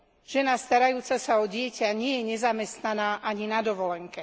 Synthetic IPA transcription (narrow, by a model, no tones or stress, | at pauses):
ʒ̥ɛnast̪aɾajuːt͡sasaɔɟɪɛcaɲɪɛjɛɲɛzamɛst̪nanaːʔaɲinad̪ɔʋɔlɛŋkɛ